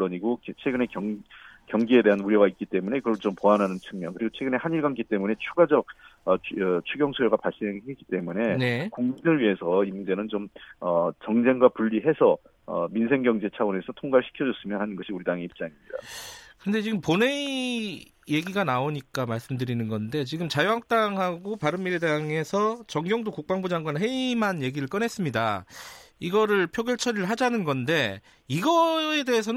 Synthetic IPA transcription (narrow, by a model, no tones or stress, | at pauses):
ʌɲiɡot͡ɕʰwe̞ɡɯne̞kʌŋkjʌŋɡie̞de̞ɦanuɾjʌɡait̚k͈it͈e̞mune̞kɯɾʌt͡ɕompoanɦanɯnt͡ɕʰɯŋmjʌnkɯɾiɡot͡ɕʰwe̞ɡɯne̞haɲiɭɡank͈it͈e̞mune̞t͡ɕʰuɡad͡ʑʌk̚ʌt͡ɕʰuɡjʌŋsʰojoɡapaɭs͈ineɡeɦʰek͈i̥t͈e̞mune̞nekuŋminɯɭɥiɦe̞sʰʌimund͡ʑe̞nɯnt͡ɕomʌt͡ɕʌŋd͡ʑe̞ŋɡwapuɭːiɦe̞sʰʌ | ʌminsʰe̞ŋɡjʌŋd͡ʑe̞t͡ɕʰaone̞sʰʌtʰoŋɡaɭɕʰi̥kʰjʌd͡ʑʌs͈ɯmjʌnhanɯnɡʌɕʰiuɾidaŋe̞ip̚t͡ɕ͈aŋimɲida̰kɯnde̞t͡ɕiɡɯmpone̞ | je̞ɡiɡanaoɲik͈amaɭs͈ɯmdɯɾinɯnɡʌnde̞t͡ɕiɡɯmt͡ɕajoak̚t͈aŋɦaɡopaɾɯmmiɾedaŋe̞sʰʌt͡ɕʌŋɡjʌŋdokuk̚p͈aŋbud͡ʑaŋɡwanɦe̞imɦanje̞ɡiɾɯɭk͈ʌnɦe̞s͈ɯmɲida̰ | iɡʌɾɯɭpʰjoɡjʌɭt͡ɕʰʌɾɯɭɦad͡ʑanɯnɡʌnde̞ | iɡʌe̞de̞ɦes̬ʰʌn